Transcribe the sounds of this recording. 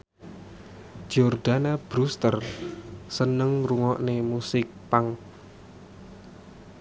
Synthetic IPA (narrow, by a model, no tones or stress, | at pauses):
d͡ʒɔrd̪̥anab̥ɾust̪ər | sənəŋruŋɔʔnemusɪk̚paŋ